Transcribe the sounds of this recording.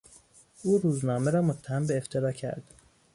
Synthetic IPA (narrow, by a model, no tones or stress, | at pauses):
ʔuːɾuːznɒːmeɾɒːmot̪ʰːæhæmbeːft̪ʰeɾɒːcʰæ̰ɾd̪̥